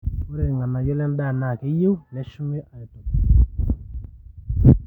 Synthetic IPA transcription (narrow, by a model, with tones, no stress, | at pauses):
o˦ɾe˨ŋa˨na˨jɔ˦lɛ˦n˦da˦˨na˨ke˨˦je˦u˦nɛ˦ʃu˦me˦ʔa˨ɛ˨to˨k